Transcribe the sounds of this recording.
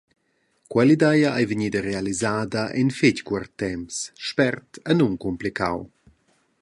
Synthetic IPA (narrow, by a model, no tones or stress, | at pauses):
kwɛlid̪ɛjaajviɲiːdɐɾealizaːdɐʔɛ̰nfɪckwart̪ːɛmsʃpɛrtənuŋkumplikʰa̰w